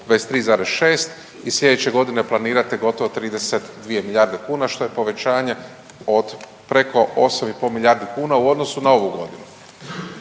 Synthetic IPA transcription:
ʋest̪ɾiːzaːɾesʃe̞ːst̪ | isʎʲe̞d̪et͡ɕe̞ɡo̞d̪ine̞plˠaniːɾat̪eɡo̞t̪o̞ʋot̪ɾiːd̪e̞set̪d̪ʋije̞milʎʲaːɾd̪ekuːnaʃt̪o̞je̞po̞ʋe̞t͡ɕaːɲe̞ | od̪ | pɾe̞ko̞osamipo̞lmilʎʲjaɾd̪ikuːnauo̞d̪no̞sunao̞ʋuɡo̞d̪inu

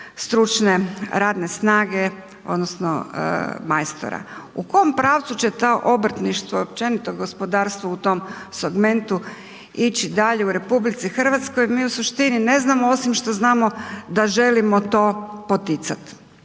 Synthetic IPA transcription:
st̪ɾut͡ʃne̞ɾaːd̪ne̞snaːɡe̞ | o̞̰d̪nosno̰majst̪o̰ɾa̰ukojompɾaːʋt̪sut͡ɕet̪oʔo̞br̩t̪niʃt̪ʋoopt͡ʃe̞nit̪oɡo̞spo̞d̪aːɾst̪ʋuut̪o̞m | seɡme̞nt̪u | it͡ɕid̪aʎe̞uɾe̞publit̪sixr̩ʋat̪skojmiːusuʃt̪inine̞znamoo̞simʃt̪o̞znaːmo̞d̪aʒe̞limo̞t̪o̞ːpot̪it̪sat̪

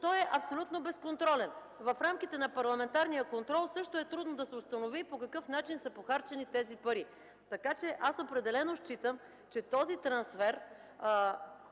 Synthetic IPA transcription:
t̪ɔjɛʔɐpsolʲut̪nobɛskont̪ɾɔlɛn | vɐfɾamk̟it̪ɛnɐpɐɾlˠɐmɛnt̪aɾnijəkont̪ɾɔlˠsɤʃt̪oɛt̪ɾud̪nod̪ɐsɛʊst̪ɐnovipokɐkɤfnat͡ʃinsɐpoxaɾt͡ʃɛnit̪ɛzipɐɾi | t̪ɐkat͡ʃɛʔasopɾɛd̪ɛlɛnoʃt͡ʃit̪əm | t͡ʃɛt̪ɔzit̪ɾɐnsfɛɾ

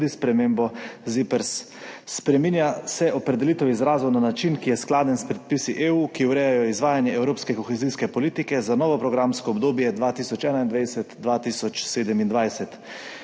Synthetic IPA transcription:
d̪ispɾɛmeːmbɔzipɛɾsː | pɾɛminjasɛʔɔpɾɛd̪ɛlit̪ɛwizɾaːzɔnanat͡ʃinkijɛsklaːd̪ɛnspɾɛt̪̚pisiʔeuːkiuwɾɛːjajɔizʋaːjanjɛɛwɾoːpskɛkɔxɛziskɛpɔliːt̪ikɛzanɔːʋɔpɾɔɡɾamskɔɔbd̪oːbjɛd̪ʋaːt̪iːsɔt͡ʃɛːnaind̪ʋajsɛt̪d̪ʋaːt̪iːsɔt͡ʃseːd̪ɛmind̪ʋajsɛt̪

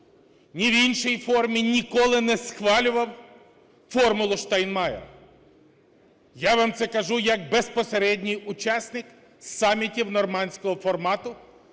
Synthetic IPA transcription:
nʲiwinʃɔjfɔrmʲinʲikɔlˠɪnɛsxʋɑlʲʊʋɐw | fɔrmʊlˠʊʃt̪ɛjnmɑjḛr | jaʋamt̪sɛkɐʒujɐk̚bespɔseɾɛdʲnʲijʊt͡ʃɑsʲnɪk | sɑmʲːitʲiwnɔrmɑnʲsʲkɔɦɔfɔrmɑt̪ʊ

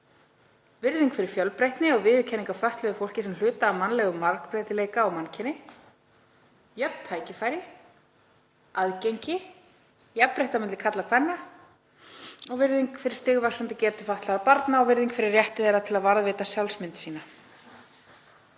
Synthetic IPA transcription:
vɪɾðiŋkfɪɾɪɾ̥fjœlpɾejht̪nɪɔɣvɪðcʰɛniŋkafaht̪lɛðʏfowl̥cɪsɛml̥ʏːt̪aːmanlɛɣʏmːaɾkpɾɛjt̪ɪleːjkaːwmancʰɪnɪ | jœpt̪ʰaːjcɪfaːjɾɪ | aðcejɲcɪ | jɛpːɾejht̪amɛnt̪ɪ̥kʰat̪lakʰvɛnːa | ɔɣvɪɾðiŋkfɪɾɪ̥ɾ̥st̪ɪɣvḁsant̪ɪcɛːt̪ʏfaht̪laɣɾapaɾt̪naɔɣvɪɾðiŋkfɪɾɪɾːjɛht̪ɪθejɾat̪ʰɪlaðvaɾðvɪːt̪asjawlsmɪnt̪siːna

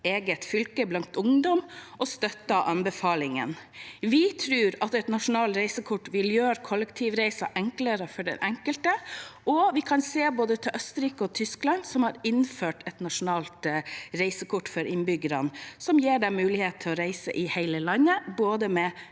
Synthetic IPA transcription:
eːɡət̪fʏlkəblɑŋt̪ʊŋd̪ɔmʔɔst̪œt̪ːɑʔɑnbəfɑːlɪŋə̰nʋɪt̪ʰɾʉːɾɑt̪ɛt̪nɑʂʊnɑːlt̪ɾæɪsəkʰʊʈːʋɪljøːɾkʰɔlːəkt̪ʰiːʋɾæɪsɑʔɛŋkləɾəfɔɖɛ̰nʔɛŋkəlt̪əʔɔʋɪkʰɑnseːboːd̪ət̪ʰɪlʔœst̪əɾiːkəɔt̪ʰʏsklɑnsɔmhɑɾɪnføːʈʰɛt̪nɑʂʊnɑːlt̪ɾæɪsəkʰʊʈːfɔɾʔɪnbʏɡəɾɑnsɔmjeːɖɛmʉːlɪheːt̪̚t̪ʰɪlɔɾæɪsə̰ʔɪhæɪləlɑnːəboːd̪əmɛ

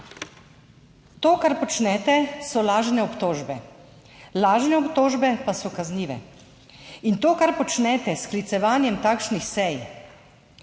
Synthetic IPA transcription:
t̪oːkaɾpɔt͡ʃnɛt̪ɛsɔlaːʒnɛɔpt̪oːʒbɛ | laːʒnɛɔpt̪oːʒbɛpasɔkazniːʋɛ̰ | int̪oːkaɾpɔt͡ʃnɛt̪ɛsklit̪sɛʋaːnjɛmt̪aːkʃnixsɛj

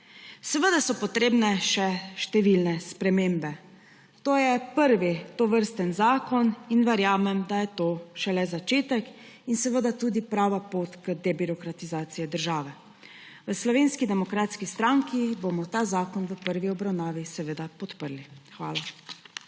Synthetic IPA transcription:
sɛʋəd̪asɔpɔt̪ɾeːbnɛʃɛʃt̪ɛʋilnɛspɾɛmeːmbɛ | t̪oːjɛpəɾʋit̪oʋəɾst̪ənzaːkɔninʋɛɾjaːmɛmd̪ajɛt̪oːʃɛlɛzat͡ʃeːt̪ək | insɛʋəd̪at̪uːd̪ipɾaːʋapoːt̪kəd̪ɛbiɾɔkɾat̪izaːt̪sijɛd̪əɾʒaːʋɛ | ʋəslɔʋeːnskid̪ɛmɔkɾaːt̪skist̪ɾaŋkibomɔt̪aːzaːkɔnʋəpəɾʋiɔbɾawnaːʋisɛʋəd̪apɔt̪pəɾlixʋa̰ːla

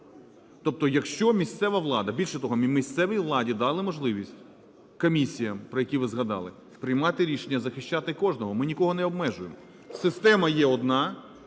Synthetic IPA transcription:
t̪ɔp̚t̪ɔjɐkʃt͡ʃɔmʲist̪sɛʋɐʋlˠɑd̪ɐbʲilʲʃɛt̪ɔɦɔmmʲisʲt̪sɛʋʲijʋlˠɑdʲid̪ɑlˠɪmɔʒlˠɪʋʲisʲtʲ | kɔmʲisʲijɐmpɾɔjɐkʲiʋɪzɦɐd̪ɑ̰lˠɪ | pɾɪjmɑt̪ɪɾʲiʃenʲːɐzɐxɪʃt͡ʃɑt̪ɪkɔʒnɔɦɔmɪnʲikɔɦɔnɛɔb̚mɛʒʊjemɔ | sɪst̪ɛmɐjɛɔd̪nɑ

